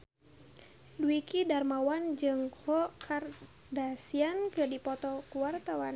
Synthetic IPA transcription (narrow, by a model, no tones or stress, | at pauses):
duikidarmawand͡ʒɨŋkʰɔkʰar | dasiankɨrdipɔt̪ɔkuwart̪awan